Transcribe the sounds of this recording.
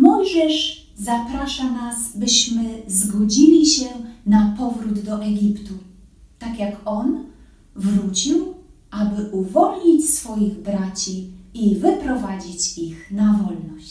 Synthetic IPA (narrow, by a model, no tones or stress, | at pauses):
mɔjʐɛʂ | zapɾaʂanasbɘɕmɘzɡɔd͡ʑilʲiɕɛnapɔvɾud̪d̪ɔʔɛɡʲipt̪u | t̪akjakɔn | vɾut͡ɕiwʔabɘʔuvɔlɲit͡ɕsfɔjiɣbɾat͡ɕiivɘpɾɔvad͡ʑit͡ɕixnavɔlnɔɕt͡ɕ